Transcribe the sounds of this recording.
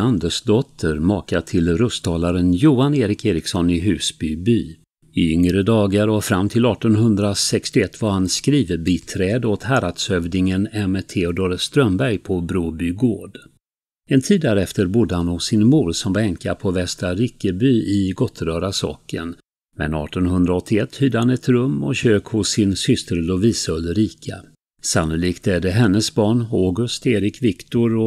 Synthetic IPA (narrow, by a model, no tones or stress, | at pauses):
and̪əʂd̪ɔt̪ʰːəɾmɑːkat̪ʰɪlɾɵst̪ʰɑːlaɾənjuːaneːɾɪkeːɾɪksɔnɪɦʉ̟ːsbybyː | ɪʏŋɾəd̪ɑːɡaɾɔfɾamːt̪ʰɪlɑːʈɔnɦɵnd̪ɾasɛkst̪ɪɛt̪ːvaɾhanskɾiːvəbʏːt̪ʰɾɛːd̪ɔt̪ɦæɾat̪sœvnɪŋənɛmɛt̪ʰeːɔd̪oːɾst̪ɾœmbæɾjpʰɔbɾuːbyɡoːɖ | ɛnt̪ʰiːd̪ːæɾɛft̪əɾbud̪ːəhanɔsɪnmuːɖsɔmvaɛŋkapʰɔvɛst̪aɾɪkːəbyːɪɡɔt̪ʰːɾœːɾasɑ̰ːkə̰n | mɛ̰nɑ̰ːʈɔnɦɵnd̪ɾaɔt̪ʰːɪɛt̪ʰːhyːd̪əhanɛt̪ɾɵmːɔ̰ɕøːkhʊsːɪnsʏst̪əɾlɔviːsɵlːəɾiːkʰa̰ | sanːʊliːkt̪æɖɛɦɛnːəsbɑːɳoːɡɵst̪eːɾɪkvɪkt̪ʊɾɔ